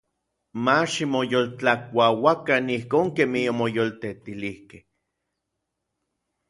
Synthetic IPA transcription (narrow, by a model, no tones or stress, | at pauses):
maʃimojolt͡ɬakʷawakanihkoːŋkemihomojolt̪et̪ilihkeh